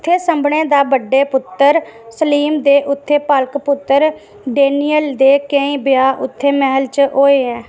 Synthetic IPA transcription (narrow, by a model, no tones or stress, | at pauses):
t̪ʰːeːsəmbɳẽːd̪aːbəɖːeːpʊt̪ːəɾsəliːmd̪eːʔʊt̪ʰːeːpəlkpʊt̪ːəɾ | ɖeːniːəld̪eːkə̃ĩːbɪjaːʔʊt̪ʰːeːmɛːəlt͡ʃɦoːeːɛ̃ː